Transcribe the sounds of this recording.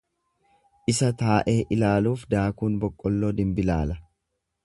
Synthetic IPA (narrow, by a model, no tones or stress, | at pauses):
ʔɪsɐt̪aːʔeːʔɪlaːluːfd̪aːkuːnbɔkʼːɔlːoːd̪ɪmbɪlaːlɐ